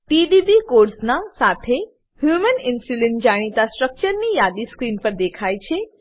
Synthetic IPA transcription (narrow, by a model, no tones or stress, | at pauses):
ʈid̪ibikoɖsnasat̪ʰe | hjumənɪnsulenʈd͡ʒaɽ̃it̪asʈɾək̚t͡ʃəɾnijad̪iskɾinpəɾd̪ekʰajt͡ʃʰe